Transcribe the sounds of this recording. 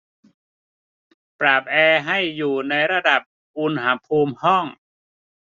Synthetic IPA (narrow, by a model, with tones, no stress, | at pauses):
pɾaː˨˩p̚ʔɛː˧ɦa˥˩jːuː˨˩na˧jɾa˧da˨˩p̚ | ʔu˧nɦa˩˥pʰuː˧mhɔ˥˩ŋ